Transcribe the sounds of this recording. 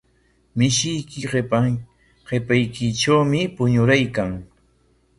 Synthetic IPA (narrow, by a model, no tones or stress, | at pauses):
mɪʃɪjkɪɢ | ɢepajkɪʈ͡ʂawmɪpʊɲʊɾajkaŋ